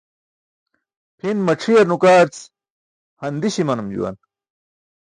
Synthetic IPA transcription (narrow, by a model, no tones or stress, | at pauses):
pʰinmɐʈ͡ʂʰijɐɾnukaːɾt͡s | hɐnd̪iɕimɐnumd͡ʑṵwɐ̰n